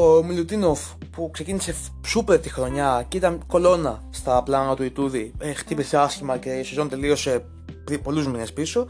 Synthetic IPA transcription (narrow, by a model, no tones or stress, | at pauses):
omilut̪inof | pukse̞cinise̞ | supe̞ɾt̪ixɾo̞ɲɐcit̪ɐnko̞lo̞nɐst̪ɐplɐnɐt̪uit̪uðiext̪ipiseɐsçimɐceosizo̞nt̪e̞lio̞se | pipo̞luzmine̞spiso̞